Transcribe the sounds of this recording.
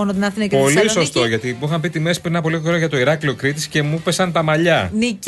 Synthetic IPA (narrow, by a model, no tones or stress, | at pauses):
onot̪inɐθinɐkpo̞liso̞st̪o̞ʝɐt̪iuxɐmpit̪ime̞si̥pɾinɐpo̞liɣooɾoʝɐt̪o̞iɾɐklio̞kɾit̪isce̞mupe̞sɐnt̪ɐmɐʎɐnic